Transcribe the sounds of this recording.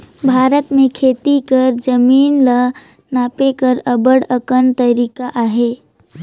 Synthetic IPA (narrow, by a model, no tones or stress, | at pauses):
bʱaːɾət̪mẽkʰeːt̪ikəɾd͡ʒəmiːnlə | naːpekəɾəbəɽəkənt̪əɾiːkaʔaːɦeː